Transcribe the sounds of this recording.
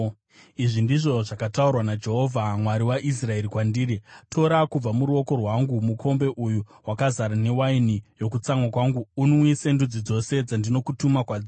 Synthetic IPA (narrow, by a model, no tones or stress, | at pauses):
iʐindiʐo̞ʐakataurwanad͡ʒe̞ɦo̞vʱamwaɾiwaʔis̬rae̞ɾikwandiːɾitʰo̞ɾakub͡vamuɾuo̞ko̞rwaŋɡumukʰo̞mbe̞ʔujuwakazaɾane̞wainijo̞kut͡samwakwaŋɡuːnowise̞ndud͡zid͡zo̞se̞d͡zandino̞kutumakwaːd͡zi